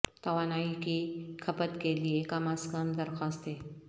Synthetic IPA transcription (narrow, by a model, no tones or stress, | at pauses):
t̪ɐʋaːnaːikikʰɐpət̪keliekɐmaskəmd̪ɐɾxaːst̪eː